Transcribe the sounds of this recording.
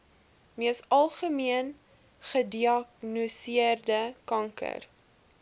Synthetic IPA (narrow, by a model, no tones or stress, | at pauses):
miəsɐlˠχəmiən | χədiɑknusiərdəkɐŋkə̰r